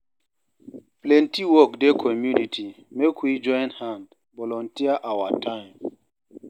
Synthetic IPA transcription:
plɛ̃ntiwɔk̚dekʰɔmjunitʰi | mekwid͡ʒɔ̃jnhãnd | bɔlɔ̃ntiaʔawatʰãjm

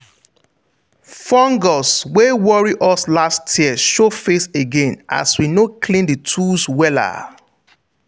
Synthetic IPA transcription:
fɔ̃ŋɡɔswewɔɹiʔɔslastʰjiɛʃofeθeɡẽnʔa̰swinokʰlĩnditʰuswɛla̰

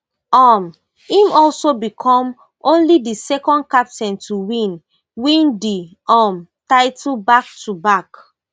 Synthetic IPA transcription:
ɔm | ĩmɔlsobikʰɔ̃m | õnlidisɛkɔ̃nd̚kap̚tɛ̃ntuwĩn | wĩndi | ɔmtaɪtʰbak̚tubak

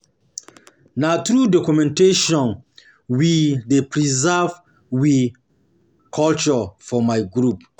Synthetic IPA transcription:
natɾudɔkumɛ̃nteʃɔ̃n | widepʰɾizɛv | wi | kʰɔlt͡ʃɔfɔmaɪɡɾup

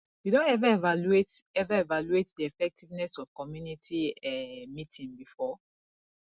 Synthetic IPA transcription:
judõnɛvaɛvaluetɛvaevaluetdiɛfɛk̚tʰivnɛsɔv̥kɔmjunitʰiɛmitĩnbifɔ

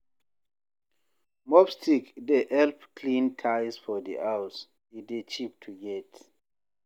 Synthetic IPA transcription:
mɔbstʰikdeʔɛlpkʰlĩntʰajsfɔdḭʔaws | idet͡ʃʰip̚tʰujɛt

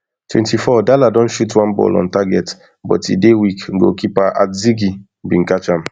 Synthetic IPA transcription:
twɛ̃ntifɔdaladɔ̃nʃutwãnbɔ̰lɔ̰̃ntaɡɛt | bɔ̰tḭdewikɡo̰kipaʔa̰tziɡi | bĩn̩kat͡ʃãm

